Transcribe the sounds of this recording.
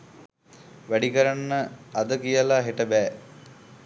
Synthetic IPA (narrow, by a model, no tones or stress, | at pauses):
ʋæɖikəɾanːəad̪əkijəlaɦeʈəbɛː